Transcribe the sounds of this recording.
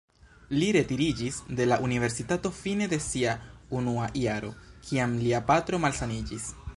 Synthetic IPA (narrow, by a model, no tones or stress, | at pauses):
liɾe̞tiɾid͡ʒisde̞laʔunive̞ɾsitato̞fine̞de̞siaunuaʔiaɾo̞̰kʰiamliapatɾo̞malsanid͡ʒis